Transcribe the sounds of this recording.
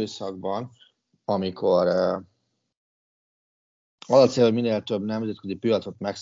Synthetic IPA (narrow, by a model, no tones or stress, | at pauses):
øːsɒɡ̚bɒn | ɒmikʰo̞ɾ | ɒzɒt̪seːlomineːlt̪øbnɛmzɛt̪̚køzipiɒt̪so̞t̪mɛks